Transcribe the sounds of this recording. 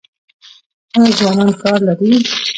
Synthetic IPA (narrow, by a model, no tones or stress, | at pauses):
əzwɑnɑnkɑɾlaɾi